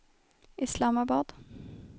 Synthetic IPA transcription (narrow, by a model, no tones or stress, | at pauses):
ʔɪslɑːmɑbɑːd̪̥